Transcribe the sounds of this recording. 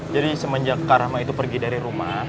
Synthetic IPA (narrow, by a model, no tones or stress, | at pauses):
d͡ʒadisəməɲd͡ʒakːaɾahmait̪upərɡidaɾiɾuma